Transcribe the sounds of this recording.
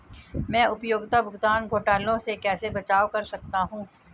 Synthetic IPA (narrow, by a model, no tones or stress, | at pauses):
mɛ̃ːʊpjoːɡt̪abʱʊɡt̪aːnɡʱoːʈaːlõsekɛːsebɐt͡ʃaːʋkɐɾsɐk̚t̪aɦũː